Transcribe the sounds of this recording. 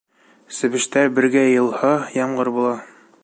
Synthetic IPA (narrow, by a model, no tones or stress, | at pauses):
sɘ̆βɘ̆ʃt̪æbɘ̆ɾɡæjɤ̆lˠhɤjɑmʁɤɾbulˠɑ